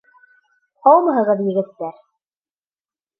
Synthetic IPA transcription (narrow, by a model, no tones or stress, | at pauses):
qɑlˠmɑɦɤ̆ʁɤðjɘ̆ɡɘ̆t̪ːæɾ